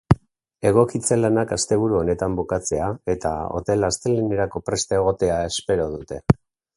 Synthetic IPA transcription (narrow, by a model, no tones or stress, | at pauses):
e̞ɣ̞o̞kit͡se̞lanakast̪e̞β̞uɾuo̞ne̞t̪ambokat͡se̞ae̞t̪a̰o̞̰t̪e̞last̪eleneɾako̞pɾe̞st̪ae̞ɣ̞o̞t̪e̞ae̞spe̞ɾo̞ðut̪e̞